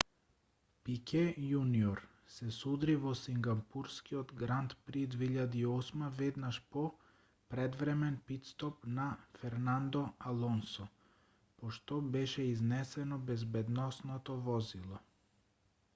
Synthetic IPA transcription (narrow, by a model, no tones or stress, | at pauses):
pikʰɛjuniɔɾ | sɛsud̪ɾivɔsiŋɡapuɾskiɔd̪ɡɾant̪pɾid̪vɛiʎad̪iiːɔsmavɛd̪naʃpɔ | pɾɛd̪vɾɛmɛnpit̪st̪ɔpnafɛɾnand̪ɔalˠɔnsɔ | pɔʃt̪ɔbɛʃɛiznɛsɛnɔbɛzbɛd̪nɔsnɔt̪ɔvɔzilˠɔ